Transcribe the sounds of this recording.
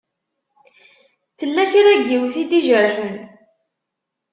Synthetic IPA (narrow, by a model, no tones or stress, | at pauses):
θəlːæçɾæɡːiwθid̪iʒəɾħən